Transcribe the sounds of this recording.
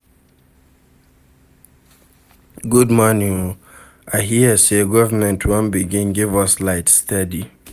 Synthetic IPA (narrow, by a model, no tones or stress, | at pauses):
ɡudmɔnĩ | aɪɦiəseɡɔvəmɛ̃ntʰwɔ̃nbiɡĩnɡɪvʌslaɪtstɛdi